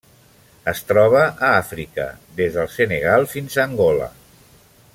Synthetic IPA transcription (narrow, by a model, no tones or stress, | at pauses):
əst̪ɾɔβ̞əʔəafɾikə̰ðezðəlˠseneɣalˠfinzəːŋɡɔlə̰